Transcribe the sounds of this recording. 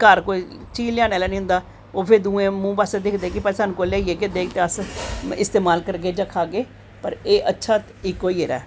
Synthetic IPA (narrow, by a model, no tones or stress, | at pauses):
kaɾkoːit͡ʃiːlɪaːneːlɛːnĩːɦʊ̃nd̪aː | oːpʰeːd̪ũːẽːmũːbased̪ɪkʰd̪eːkɪpɛsanũkoːleːieːkeːd̪eːk̚t̪eːəsɪ̰st̪eːmaːlkəɾɡeːd͡ʒəkʰaːɡeː | pəɾeːʔətːʃʰaːt̪ | ikːoːiːeɾɛ̰ː